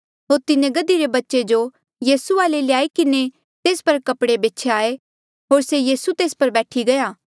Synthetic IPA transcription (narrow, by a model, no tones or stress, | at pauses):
ɦoːɾt̪ɪnẽɡɐd̪iɾebɐtːʃed͡ʒo | jiːsuaːlelɪjaːikɪne | t̪eːspɐɾkɐpɽebeːtːt͡ʃʰeaːe | ɦoːɾsejiːsut̪eːspɐɾbɛːʈʰiɡɐjaː